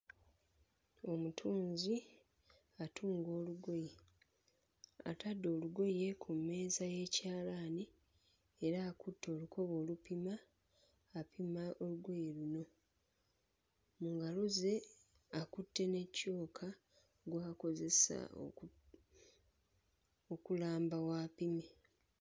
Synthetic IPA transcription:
o̞mutʰuːnzi | atʰuːŋɡo̞ːluɡoje | a̰tadːo̞ːluɡo̞je̞kʰumːe̞ːzaje̞caːlaːni | eɾaːkutːo̞ːlukʰo̞βo̞ːlupimaː | pimaʔoluɡo̞jeluno̞ | muŋɡaluze̞ | akutːe̞ne̞cːo̞ːkʰa | ɡwaːko̞ze̞sa̰o̰ | okulaːmbawaːpime

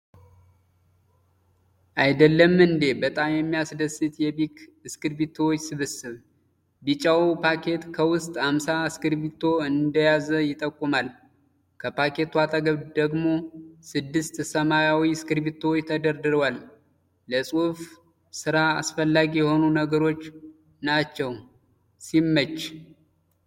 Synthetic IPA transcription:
ʔajd̪əlːəmɨnd̪e̞bət̪ʼamjɛmːijasd̪əsɨt̪jɛβikɨskɨɾbit̪ʰːowt͡ʃːsɨβɨsɨβ | bit͡ʃʼːawupʰakʰe̞t̪kʰəwʊst̪ʼhamsaskɨɾbit̪ʰːo̞ɨnd̪əjazəjɪt̪ʼːəkʼːumal | kʰəpʰake̞t̪wat̪ʼəɡəβd̪əɡmo̞sɨd̪ːɨst̪səmajawiɨskɨɾbit̪ʰːot͡ʃt̪ʰəd̪əɾd̪ɨɾwalː | əsʼuf | sɨɾaasfəlːaɡijɛho̞nunəɡəɾo̞t͡ʃː | nat͡ʃːɛw | simːət͡ʃː

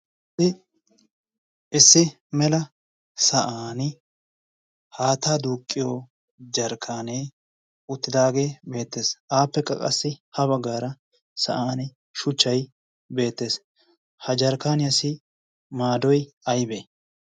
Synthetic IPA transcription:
ɪ | ʔɪsːɪ | mɛlɐ | sɐʔaːnɪ | haːt̪aːd̪uːkʼːɪjoː | d͡ʒɐɾkʰːaːneː | ʊt̪ːɪd̪aːɡe̞ːbe̞ːt̪ːeːsʔaːpːɛkʼːɐ̰kʼɐsːɪhɐβɐɡːaːɾɐ | sɐʔaːnɪ | ʃʊt͡ʃːɐj | be̞ːt̪ːe̞ːs | hɐd͡ʒɐɾkaːnɪjɐsɪ | maːd̪ɔj | ɐjbeː

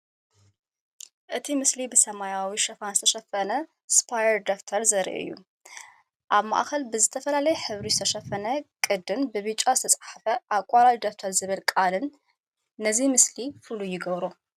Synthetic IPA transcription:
ʔɨt̪ʰimɨslibɨsɐmajawiʃɐfanzɨt̪ʰɐʃɐfɐnɐ | spʰajɛɾd̪oft̪ʰɐɾzɐɾ̰ʔʔɨ̰jːṵ | ʔaβma̰ʔxɐlbɨzɨt̪ʰɐfɐlalɐjɛħɨβɾizɨt̪ʰɐʃɐfɐnɐkʼɨd̪ɨnbɨβɨt͡ʃʼːazɨt̪ʰɐt͡sʼħafɐʔakʼalawid̪ok̚t̪ʰɐɾzɨβɨlkʼalɨnː | ɐzimɨslifɨlujɪɡɐβɾo

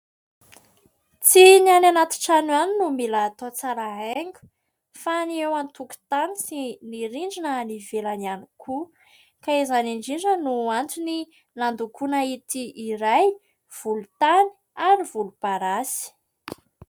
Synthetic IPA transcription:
t͡siniananat̪i̥ʈ͡ʂanwaninumilaːt̪ot͡saɾaɦeŋɡu̥ | faniewant̪uku̥t̪anisiniɾiɳɖ͡ʐinənivelanianikʰu | kaizaniɳɖ͡ʐiɖ͡ʐənuant̪uni | land̪ukunait̪iiɾaj | v̥ulut̪ani̥ | aɾiv̥ulub̥aɾasi̥

